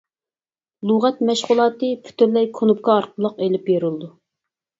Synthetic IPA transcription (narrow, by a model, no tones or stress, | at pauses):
lˠuʁɛt̪mɛʃʁʊlˠɑːt̪ɨpʰy̥t̪yɾlɛjkʰonup̚kʰɑːɾqʰəlˠːəqelɪpjeɾulˠd̪u